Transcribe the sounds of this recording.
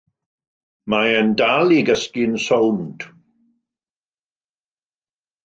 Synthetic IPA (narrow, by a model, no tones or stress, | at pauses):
maəndalˠiɡəskɪnsownd̥